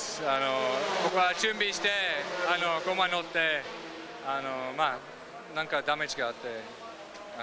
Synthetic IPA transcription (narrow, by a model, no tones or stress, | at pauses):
anobokoat͡ʃumbiʃt̪eanokomanot̪ːe | anoma | nãŋkad̪amed͡ʒɡaat̪ːe | a